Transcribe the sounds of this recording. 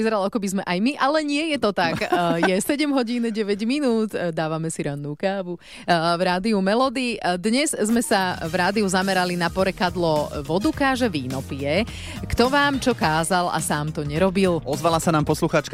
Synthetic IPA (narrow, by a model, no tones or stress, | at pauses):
izɛɾalakɔbizmɛʔajmiʔalɛɲɪɛjɛt̪ɔt̪akjɛsɛɟɛmɦɔɟiːnɛɟɛʋɛɟminuːt̪d̪aːʋamɛsiɾanːuːkaːʋu | vɾaːd̪iumɛlɔd̪id̪ɲɛzzmɛsavɾaːd̪iuzamɛɾalinapɔɾɛkad̪lɔʋɔd̪ukaːʒɛʋiːnɔpiɛ | kt̪ɔʋaːmt͡ʃɔkaːzala̰saːmt̪ɔɲɛɾɔbilɔzʋalasanaːmpɔsluxaːt͡ʃk